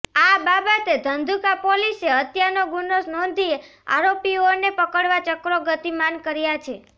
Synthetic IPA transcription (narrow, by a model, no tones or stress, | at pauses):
ababət̪ed̪ʱənd̪ʱukapoliseət̪janoɡunosnɔ̃nd̪ʱie | a̰ɾopionepəkəɽʋat͡ʃəkɾoɡət̪imankəɾjat͡ʃʰe